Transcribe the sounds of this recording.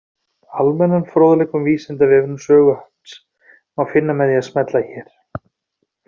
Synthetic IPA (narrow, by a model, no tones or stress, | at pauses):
almɛnːanfɾoːwðalɛjkʏmviːsɪnt̪avɛːvnmsœːɣʏhat̪s | awfɪnːamɛðjɛasmɛt̪laçɛːɾ̥